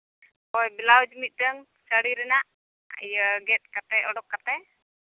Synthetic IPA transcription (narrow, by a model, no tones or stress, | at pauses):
ɔjbilawd͡ʒmit̪̚ˀdəŋ | səɽiɾɛnaʔ | ə̰jəɡɛt̪̚kat̪ɛɔɖɔkːat̪ɛ